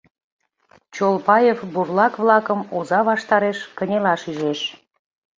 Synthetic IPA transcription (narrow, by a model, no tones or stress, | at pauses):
t͡ɕolpɑjefburlɑkβlɑkəmozɑβɑʃt̪ɑɾeʃkənʲelɑʃyʒeʃ